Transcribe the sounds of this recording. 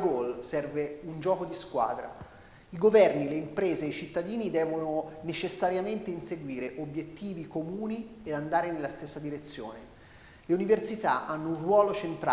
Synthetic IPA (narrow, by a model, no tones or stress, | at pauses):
ɡolsɛrveund͡ʒɔːkod̪iskwa̰ːd̪ɾa̰ | iɡovɛrnileimpɾeːzeːit͡ʃit̪ːad̪iːnid̪ɛːvononet͡ʃesːaɾjament̪einseɡwiːɾeʔobjet̪ːiːvikomuːnied̪and̪aːɾenelːast̪esːad̪iɾet̪sːjo̰ːne | leuniversit̪a̰ʔanːounrwɔːlot͡ʃent̪ɾa